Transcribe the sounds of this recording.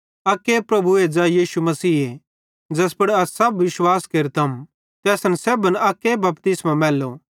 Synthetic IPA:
ɐkːepɾɐbʱued͡ʒajiːsumɐsiːe | d͡ʒɐspɐɽɐsːɐbʋɪʃwaːskeɾt̪ʰɐm | t̪ɛːsɐnsɛːbənɐkːebɐpt̪ɪsmãmɛːlːo

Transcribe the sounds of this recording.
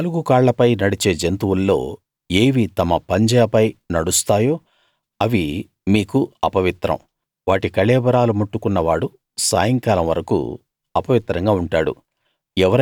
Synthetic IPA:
ɐluɡukaːɭːɐpɐjnɐɽit͡ʃe̞ːd͡ʒent̪uwulːo̞̰ː | eːʋit̪ɐmɐpɐɲd͡ʒɐjɐpɐjnɐɽust̪aːjo̞ː | ɐʋi | miːkuɐpɐʋit̪ɾɐ̰m | ʋaːʈikɐɭɛːbɐɾaːlumuʈːukunːɐʋaːɽu | sa̰ːjɐŋkaːlɐmʋɐɾɐkṵ | ɐpɐʋit̪ɾɐŋɡaːuɳʈaːɽṵ | ɛʋɐɾ

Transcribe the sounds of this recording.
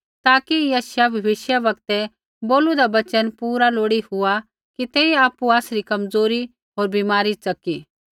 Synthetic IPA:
t̪aːkijɐːsjabʱɐʋɪʃjaʋɐkt̪ɛ | boːlud̪abɐt͡ʃənpuːɾaloːɽihʊa | kit̪ɛːiaːpuaːsɾikɐmd͡zoːɾi | ɦoːɾbimaːɾisɐkiː

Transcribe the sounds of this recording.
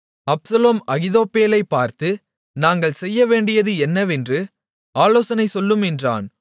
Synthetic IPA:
ɐpsɐloːmɐɣɪðoːpːeːlɐɪpːaːɾt̪ɯ | naːŋɡɐɭsɛjːɐʋeːɳɖɪjɐðɯɛnːɐʋɛndrɯ | aːloːsɐnɐɪsɔlːɯmɛndra̰ːn

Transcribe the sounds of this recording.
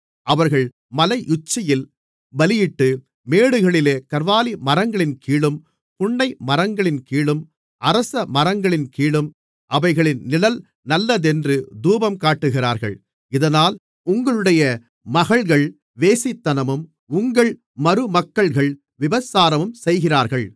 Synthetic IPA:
ɐʋɐɾɣɐɭ | mɐlɐɪʔʊt͡ʃːɐjɪl | bɐlɪjɪʈːɯ | meːɽɯɣɐɭɪleːkɐɾʋaːlimɐɾɐŋɡɐɭɪnkiːɭɯm | pʊɳːɐɪmɐɾɐŋɡɐɭɪnkiːɭɯm | ʔɐɾɐsɐmɐɾɐŋɡɐɭɪnkiːɭɯm | ʔɐʋɐɪɣɐɭɪnnɪlɐl | nɐlːɐðɛndrɯd̪uːbɐmkaːʈːɯɣɪraːɾɣɐ̰ɭ | ɪðɐnaːl | ʊŋɡɐɭɯɽɐjɐ | mɐɣɐɭɣɐɭ | ʋeːsɪt̪ːɐnɐmɯm | ʊŋɡɐɭ | mɐɾɯmɐkːɐɭɣɐɭ | ʋɪʋɐsaːɾɐmɯmsɛjɣɪraːɾɣɐɭ

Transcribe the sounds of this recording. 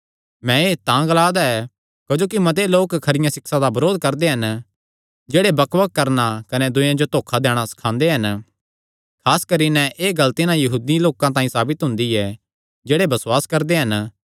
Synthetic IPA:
mɛ̃eːt̪ãɡɐlaːd̪aɛ | kod͡ʒoːkimɐt̪̬eloːkkʰɐɾɪjãsɪksãd̪abɐɾoːd̪̚kɐɾd̪eɦɐn | d͡ʒeːɽebɐkʋəkːɐɾnakɐned̪ʊ̃jãd͡ʒot̪oːkʰad̪ɛːɽ̃asɐ̥kʰãːnd̪eɦɐn | kʰaːskɐɾinɛʔeːɡɐlt̪inãjɐɦuːd̪iloːkãt̪̬ãːĩsaːbɪt̪ɦʊ̃nd̪iɛ | d͡ʒeːɽebɐswaːskɐɾd̪eɦɐn

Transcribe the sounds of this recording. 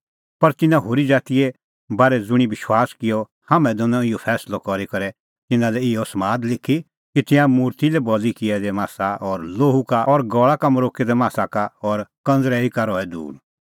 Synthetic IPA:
pɐɾt̪ɪnãɦoːɾid͡zaːt̪ijɛ | baːɾɛd͡zʊɽ̃ibɪʃwaːskɪjɔ | hamɛ̃d̪ɔnɔ̃ɪjɔpʰɛːslɔkɔɾikɐɾɛ | t̪ɪnãlɛɪjɔsmaːd̪lɪkʰːi | kit̪ɪ̃ãmuːɾt̪ilɛbɔlikɪɛd̪ɛmaːsaʔɔɾloːɦukaɔɾɡɔːɭakamɔɾoːked̪ɛmaːsakaɔːɾkɐ̃nd͡zɾɛikaɾɔɛd̪ṵːɾ

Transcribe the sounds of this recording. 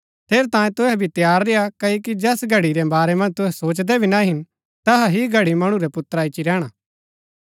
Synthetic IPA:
t̪ʰeːɾt̪ãːjẽt̪ʊɦɛbʱit̪jaːɾːejakɐokid͡ʒɛːsɡʱɐɽiɾɛbaːɾɛmɐ̃nd͡ʒt̪ʊɦɛsoːt͡ʃd̪ɛbʱinaɦɪn | t̪ɐɦaɦiɡʱɐɽimɐɽ̃ũɾɛpʊt̪ːəɾaːɪt͡ʃiɾɛːɽ̃aː

